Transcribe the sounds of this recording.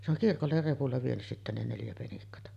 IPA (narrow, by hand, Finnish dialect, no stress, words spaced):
se oŋ kirkolːer repulːɑ ʋienys sitːæ ne neljæ penikːɑtɑ